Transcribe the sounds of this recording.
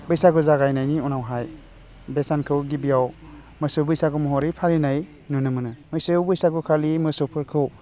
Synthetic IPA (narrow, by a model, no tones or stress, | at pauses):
bɯjsaɡɯzaɡajnajniunawɦaj | besankʰɯwɡibijaw | mɯsubɯjsaɡumɔɦɔɾipʰaɾinaj | nunɯmɯnɯmɯjsɯbɯjsaɡukʰalimɯsopʰɯɾkʰɯw